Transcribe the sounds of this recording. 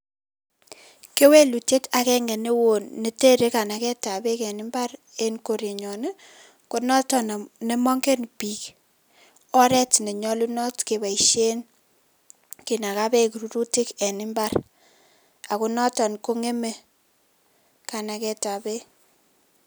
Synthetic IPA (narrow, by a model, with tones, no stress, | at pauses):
ke˦we˦lu˨te˦ta˨kɛ˦ŋɛ˨ne˦wo˨nːe˦te˦ɾe˨˦ka˨na˨kɛ˦ta˨be˦kɛ˨nɪ˦mba˦r | e˦nko˨ɾe˨ɲɔ˨ne˦ | ko˦nɔ˦tɔ˨n˨ne˦mɔ˦ŋɡe˦npi˨k | ɔ˦ɾɛ˦tne˨ɲɔ˦lu˦nɔ˦tke˨ba˨i˨ʃe˦n | ki˨na˨ka˦be˦ku˨ɾu˦ɾu˦ti˦kɛ˨nɪ˦mba˦r | a˨ku˦nɔ˦tɔ˨nko˦ŋe˦me˦ | ka˨na˨kɛ˦ta˨be˦